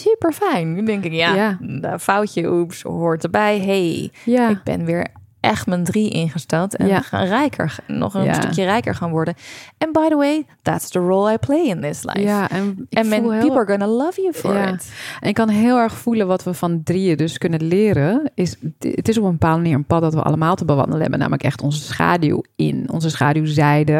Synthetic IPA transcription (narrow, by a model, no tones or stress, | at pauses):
sypəɹfɛjnːydɛŋkɪkjadəfawcəʔupshoɹtəbɛjɦejjaɪk̚bɪ̰̃nʋɪːɹ | ʔɛxtməndriʔɪ̰̃nχəstɛlˠtɛ̰̃nxa̰nrɛjkʰə̰˞nɔ̰χə̃stəkjərɛjkə̰ɹχaːnʋɔɹdənɛ̃nbajðəweɪðæ̰tsdəɹoːlˠajpʰlejɪ̃nðɪsla̰jfɛnɛ̃mɛ̃nˠipɡɔnəlʌvjufɔ̰ɹɪ̰tʔɛnɪkːɑnɦɪlˠɛɹχfulənʋɑtʋəfɑndriədɵskɵnəlɪːɾəɪsətɪsɔpəmbəpaːlˠməniːɹənpɑt̚dɑtʋə̰ʔɑ̰ləmaːlˠtəbəʋɑ̰ndələɦɛ̰bəna̰ːmələkɛ̰χtɔnzəsχa̰ːdṵɪ̰nɔ̰nzəsχaːduzɛjdə